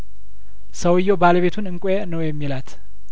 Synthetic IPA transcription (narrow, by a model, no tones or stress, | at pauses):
səwɨjːobaləβet̪ʰunɨŋkʷʼ | nəwjɛmːilat̪